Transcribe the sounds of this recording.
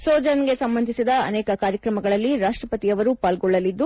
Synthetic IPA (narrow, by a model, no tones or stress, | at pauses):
sɔːd͡ʒɐnɡe̞sɐmbɐnd̪ʱisid̪ɐɐ̰nɛːkɐkaːɾjɐkɾɐmɐɡɐɭɐlːiɾaːʂʈɾɐpɐt̪ijɐʋɐɾupaːlɡɔɭːɐlid̪ːu